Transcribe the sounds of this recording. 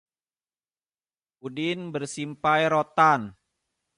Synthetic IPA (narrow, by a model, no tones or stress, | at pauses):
udɪnbərsimpajɾot̪an